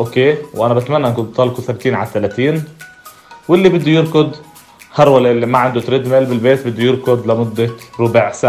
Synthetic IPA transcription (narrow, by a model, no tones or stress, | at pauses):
ʔokeːwʔanabɪt̪manːaʔnkʊnt̪t̪ɑlkusabt̪iːnʕa̰t̪ːalat̪iːn | wɪlːibɪd̪ːujɪɾkʊd̪ | hɑɾˤwalʔɪlːimaʕɪnd̪ʊt̪ɾɪd̪meːlbɪlbeːt̪bɪd̪ːujɪɾkʊd̪lɪmʊd̪ːaɾʊbaʕsa